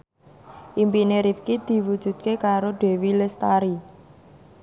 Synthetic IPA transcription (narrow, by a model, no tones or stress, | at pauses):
ʔimpineɾifkid̪̥i̤wud̥ʒ̥ṳd̪̚kekaɾoɖ̪̥e̤wilɪst̪aɾi